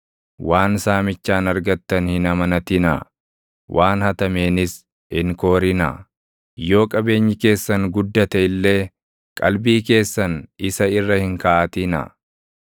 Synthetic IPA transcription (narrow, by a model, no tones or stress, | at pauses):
waːnsaːmɪt͡ʃːaːnɐɾɡɐt̪ːɐnhɪnɐmɐnɐt̪ɪnɐ̰ | wʔaːnhɐt̪ɐme̞ːnɪs | hɪŋko̞ːɾɪnɐ̰ | jo̞ːkʼɐbe̞ːɲːɪke̞ːsːɐŋɡʊd̪ːɐt̪ɐɪlːe̞ː | kʼɐ̰lbiːke̞ːsːɐnɪsɐɪrːɐhɪŋkɐʔːt̪ɪnɐ̰